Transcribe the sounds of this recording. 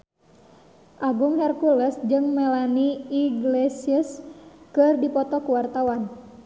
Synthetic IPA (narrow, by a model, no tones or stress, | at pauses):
ʔaɡuŋhɛrkulɛsd͡ʒɨŋmɛlaniiɡlɛsiəskɨrdipɔt̪ɔkuwart̪awan